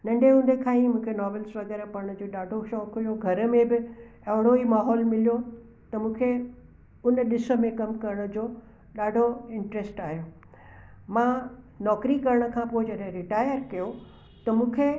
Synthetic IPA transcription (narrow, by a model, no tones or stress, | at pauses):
nɐ̃ɳɖeɦũːnd̪ekʰãːĩmũːkʰenɔːʋəlsʋɐɣɛːɾpɐɾɽ̃ʊ̆d͡ʑoːɗaːɖʱoʃɔːkɦujoɡʱɐɾə̆mẽbɪ | ɐɦɪɽ̃oimaːɦɔːlmɪlijo | t̪ɐmũːkʰe | ʊnɗɪsə̆mẽkɐmkɐɾəɽ̃ʊ̆d͡ʑoː | ɗaːɖʱoɪ̃ɳʈɾesʈaːɦijoː | mãː | nɔːkɾikɐɾəɽ̃ə̆kʰãːpoːɪd͡ʑɐɗẽɾɪʈaːjəɾkɐjo | t̪ɐmũːkʰe